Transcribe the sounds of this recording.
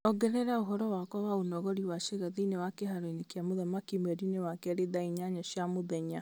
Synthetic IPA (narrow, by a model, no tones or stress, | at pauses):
ɔɡɛɾɛɾaoɦɔɾɔwakɔwaonɔɣɔɾiwaʃeɣaðenewakeɦaɾɔinekjamoðamakimwɛɾinewakɛɾeðaiɲaɲɔɕjamoðɛɲa